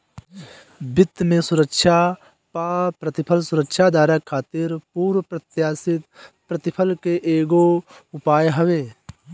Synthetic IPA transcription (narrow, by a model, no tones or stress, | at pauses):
bɪt̪ːmẽsʊɾəkʃa | paːpɾət̪ɪpʰəlsʊɾəkʃad̪aːɾakʰːaːt̪ɪɾpuːɾwpɾət̪jaːsɪt̪ | pɾət̪ɪpʰəlkeʔeːɡoʊpaːjɦɐʋeː